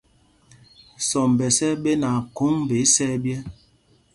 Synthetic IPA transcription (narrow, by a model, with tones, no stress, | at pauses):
sɔ˨m˨bɛ˨sɛ˦ɓe˦na˨ko˦ŋbe˨˦sɛ˦bjɛ˦